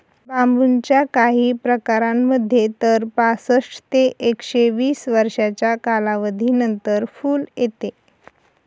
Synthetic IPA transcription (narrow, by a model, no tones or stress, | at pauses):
bambunt͡ɕjakaɦiːpɾəkaɾamːəd̪ʱːjet̪əɾpasəʂʈt̪eʔekɕeʋiːsʋəɾʂat͡ɕjakalaʋəd̪ʱiːnənt̪əɾfuːljet̪e